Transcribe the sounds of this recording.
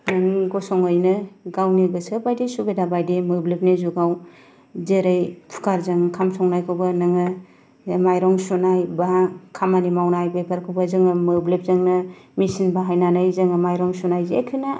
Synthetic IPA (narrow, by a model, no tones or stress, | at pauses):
nɯŋɡɔsɔŋɯjnɯɡawniɡɯsɯbajdisubedabajdimɯblep̚nizuɡaw | zeɾɯjpʰu̥kaɾzɯŋkʰamsʰɔŋnajkʰɯwbanɯŋɯ | majɾɔŋsunajbakʰamanimawnajbepʰaɾkʰɯwbazɯŋɯmɯblep̚zɯŋnɯmisinbaɦajnanɯjzɯŋɯmajɾɔŋsunajzekʰɯna